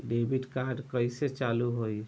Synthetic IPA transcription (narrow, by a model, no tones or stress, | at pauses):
ɖebʱiʈkaɾɖkəjset͡ʃaluɦoj